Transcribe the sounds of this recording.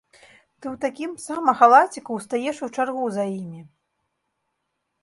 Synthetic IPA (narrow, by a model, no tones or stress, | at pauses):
t̪ɨwt̪akʲimsamɐxalˠat͡sʲikuwst̪ajɛʂut͡ʂarɣuzajimʲi